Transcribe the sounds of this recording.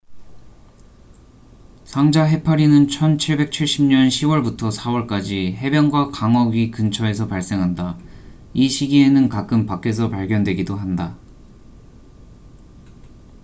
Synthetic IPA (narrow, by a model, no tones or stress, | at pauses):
sʰaŋd͡ʑaɦe̞pʰaɾinɯnt͡ɕʰʌnt͡ɕʰiɭbe̞k̚t͡ɕʰiɭɕ͈imɲʌnɕʰiwʌɭbutʰʌsʰawʌɭk͈ad͡ʑiɦe̞bjʌŋɡwakaŋʌɡikɯnt͡ɕʰʌe̞sʰʌpaɭs͈e̞ŋɦanda | iɕʰiɡie̞nɯnkak͈ɯmpak͈e̞s̬ʰʌpaɭɡjʌndwe̞ɡidoɦanda